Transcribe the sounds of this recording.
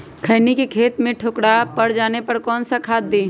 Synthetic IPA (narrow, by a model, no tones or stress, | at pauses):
kʰəɪnikekʰeːt̪mẽʈʰokɽapɐɽd͡ʒaːnepɐɾkɔːnsakʰaːt̪̚d̪eː